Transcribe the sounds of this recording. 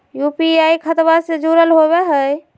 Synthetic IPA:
jupiajkʰət̪based͡ʒuɾəlɦoβeɦəj

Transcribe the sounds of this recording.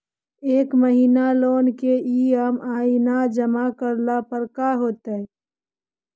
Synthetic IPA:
eːkməɦiːnaloːnkeiːəmaːinad͡ʒəmakəɾlapəɾkaɦoːt̪eɛ

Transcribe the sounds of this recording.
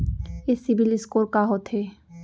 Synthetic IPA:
esibilɪskoɾkaɦot̪ʰɦe

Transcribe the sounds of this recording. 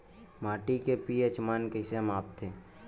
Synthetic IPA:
maːʈikepiət͡ʃmaːnkesemaːp̚t̪ʰeː

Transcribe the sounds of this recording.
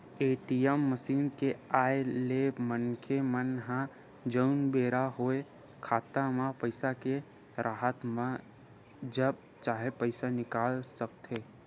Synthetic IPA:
eːʈiɛmːəʃiːnkeaːjeleːmənkʰemənɦã | d͡ʒəʊnbeːɾaɦoːe | kʰaːt̪amãpəɪsake | ɾʔaːɦət̪mã | d͡ʒəb̚ | t͡ʃaːɦepəɪsanɪkaːlsəkt̪eː

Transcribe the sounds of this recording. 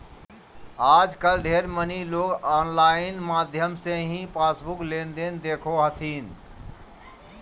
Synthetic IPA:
aːd͡ʒkəlɖʱeɾməniloːɡaːnlaːɪnmaːd̪ʱjəmsẽɦĩpʰaːsbuklend̪end̪eːkʰoɦət̪ʰin

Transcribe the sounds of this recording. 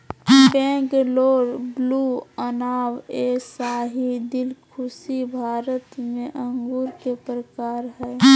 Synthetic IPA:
pɛ̃ːɡloːɾbluːənaːweːsaːɦid̪ɪlkʰʊsibʱaːɾət̪mẽʔə̃ŋɡuːɾkepɾəkaːɾɦɛː

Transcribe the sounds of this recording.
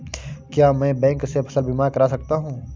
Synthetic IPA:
kjaːmɛ̃ːbɛ̃ːŋksepʰɐ̥səlbiːmaːɾkɐɾaːsɐk̚t̪aɦũː

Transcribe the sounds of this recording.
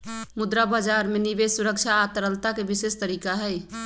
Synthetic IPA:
mud̪ɾabad͡ʒaɾmenibesuɾəkt͡ʃʰaːt̪əɾəlt̪akebisest̪əɾikaɦəj

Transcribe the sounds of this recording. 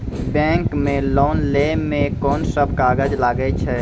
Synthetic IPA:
bɛ̃ːŋkmẽloːnlemẽkɔːnsəbʱkaːɡəd͡ʒlaːɡəet͡ʃʰɛː

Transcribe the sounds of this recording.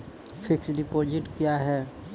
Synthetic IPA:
fʰɪksɖipoːd͡ʒɪʈkjaɦɛː

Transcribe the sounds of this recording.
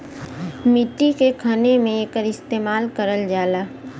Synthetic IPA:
mɪʈːikekʰənemẽeːkəɾɪst̪eːmaːlkəɾəld͡ʒaːlaː

